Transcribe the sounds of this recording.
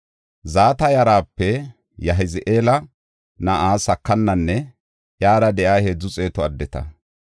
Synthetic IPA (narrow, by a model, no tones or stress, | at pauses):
zaːt̪ɐjɐɾaːpːɛ | jɐɦɪzɪʔeːlɐ | nɐʔaːsɐkːɐnːɐnːɛ | ʔjaːdɐd̪ɛʔaːhe̞ːd͡zːʊt͡sʼe̞ːt̪ɔɐd̪ːɛt̪ɐ̰